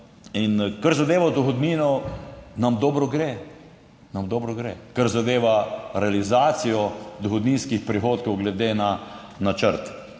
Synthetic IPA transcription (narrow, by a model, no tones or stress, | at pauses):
inkaɾzad̪eːʋad̪ɔxɔd̪niːnɔnamd̪ɔːbɾɔɡɾeː | namd̪ɔːbɾɔɡɾḛːkaɾzad̪eːʋaɾɛalizaːt̪sijɔd̪ɔxɔd̪ninskixpɾixoːt̪kɔwɡlɛd̪eːna | nat͡ʃəɾt̪